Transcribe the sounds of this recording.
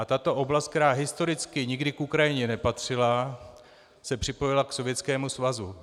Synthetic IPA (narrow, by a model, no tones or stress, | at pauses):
at̪at̪o̞ʔo̞blast̪kt̪ɛɾaːɦɪst̪o̞ɾɪt͡skɪɲɪɡdɪkʔukɾajɪɲɛnɛpat̪r̝̥ɪla | sɛpr̝̥ɪpo̞jɪlakso̞vjɛt͡skɛːmusvazu